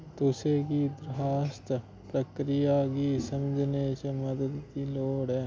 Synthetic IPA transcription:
t̪ʊsekid̪ɾaːst̪ | pɾəkɾɪjakisəmd͡ʒʱnet͡ʃemɐd̪əd̪kiloːɽɛː

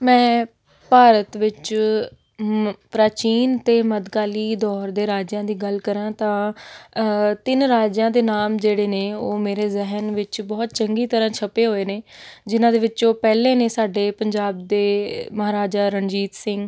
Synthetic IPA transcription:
mɛ̃ː | paːɾət̪ʋɪt͡ʃ | pɾaːt͡ʃiːnt̪eːməd̪ɡaːliːd̪ɔːɾd̪eːɾaːd͡ʒãːd̪iːɡəlkəɾãːt̪ãː | t̪ɪnɾaːd͡ʒãːd̪eːnaːmd͡ʒeːɽeːneːoːmeːɾeːzɪɦənʋɪt͡ʃbɔːt̪t͡ʃəŋɡiːt̪əɾãːt͡ʃʰəpeːɦoːeːneːd͡ʒɪnãːd̪eːʋɪt͡ʃoːpɛːlẽːneːsaːɖeːpəɲd͡ʒaːb̚d̪eːməɦaːɾaːd͡ʒaːɾənd͡ʒiːt̪sɪŋɡ

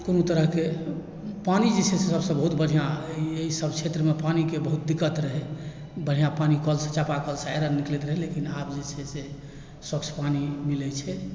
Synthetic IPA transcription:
konot̪əɾəɦke | panid͡ʒet͡ʃʰɛsesəbsə̃bəɦut̪bəɽʱijãieɦisəbʱt͡ʃʰet̪ɾəmepanikebəɦut̪̚d̪ikːət̪ɾəɦɛ | bəɽ̤ʱijãpanikəlsə̃t͡ʃapakəlsaeɾənːiklet̪ɾəɦɛlekinabd͡ʒet͡ʃʰɛse | swəkt͡ʃʰpanimilɛt͡ʃʰɛ

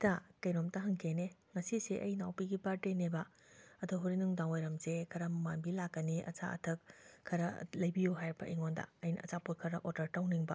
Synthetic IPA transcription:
tɐkɐjɾomtɐɦɐŋkʰeneŋɐsiseʔɐjnawpiɡipaɾtenebɐ | ɐdoɦuɾinuŋdaŋojɾɐmzekʰɐɾɐmɐmanbilakːɐniʔɐ̰t͡ʃa̰ʔɐ̰tʰɐkʰːɐɾɐlɐjbijuɦajɾbɐ̰ʔiŋondɐ̰ɐjnɐ̰ʔɐt͡ʃaput̚kʰɐɾɐʔoɾdɐɾtawniŋbɐ̰

